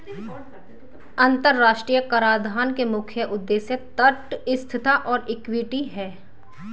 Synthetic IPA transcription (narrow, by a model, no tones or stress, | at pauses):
ɐ̃nt̪əɾːaːʃʈɾijəkəɾaːɾd̪ʱaːnkemʊkʰjəʔʊd̪ːeːsjət̪əʈɪst̪ʰɪt̪aʔɔːɾɪkwɪʈiɦɛː